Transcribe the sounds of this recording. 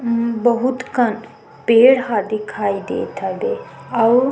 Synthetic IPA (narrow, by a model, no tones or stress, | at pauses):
bɐɦut̪kɐn | peːɽɦaːd̪ikʰaːjd̪ḛːt̪ʰad̪eɐw